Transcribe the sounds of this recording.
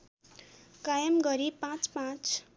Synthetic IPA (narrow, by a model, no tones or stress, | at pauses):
kajʌmɡʌɾipãt͡spãt͡s